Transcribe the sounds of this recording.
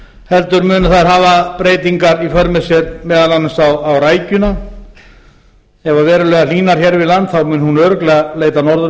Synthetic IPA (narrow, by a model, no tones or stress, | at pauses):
hɛlt̪ʏɾmʏːnaθaðɾ̥ɦaːvapɾeːjt̪iŋkaɾifœɾmɪsjɛɾmɛːðalanɪsawawraːjcʏna | ɛvavɛːɾʏlɛːɣaliːnaɾ̥hçɛɾvɪðlant̪θawmʏːnhunœɾʏklɛɣaleːjt̪anɔɾðʏ